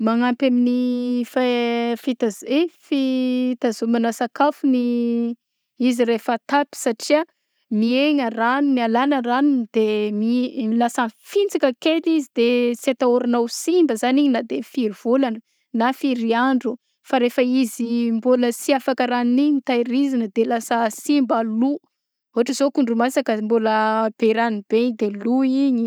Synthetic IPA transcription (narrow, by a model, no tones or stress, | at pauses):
maŋampaminifafit̪azefit̪azumanasakafuni | iziɾefət̪api̥saʈ͡ʂia | mieŋəraninialanəranind̪̥emimilasanfint͡sakəkelizid̪et͡set̪aoɾanawsimbəzaniɲinad̪efiɾiv̥olanə | nafiɾiaɳɖ͡ʐu | faɾefəizimboləsiafakəɾaniniɲt̪ajɾizinəd̪elasəsimbalu | uɦaʈ͡ʂəzokuɳɖ͡ʐumasakəmboləb̥eɾanibeɲd̪eluiɲi